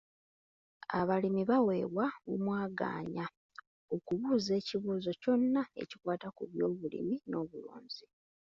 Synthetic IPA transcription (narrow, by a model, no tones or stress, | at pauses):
a̰βalimiβawe̞ːβwaumwaːɡa̰ːɲa | okuβuːze̞ːciβuːzo̞co̞nːae̞̰cikwaːtakuβjo̞ːβulḭmino̞ːβulṵːɲzi